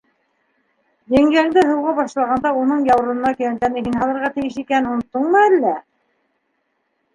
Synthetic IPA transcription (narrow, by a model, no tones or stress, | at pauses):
j̪æŋɡæŋd̪ɘɦɤ̆wʁɑbɑʃlˠɑʁɑnd̪ɑunɤɴjɑw̆ɾɤɤ̆nɑkɵ̆jænt̪ænɘɦinɦɑlˠɤ̆ɾʁɑt̪ɘ̆jɘʃikænunŏt̪ːɤɴmɤælːæ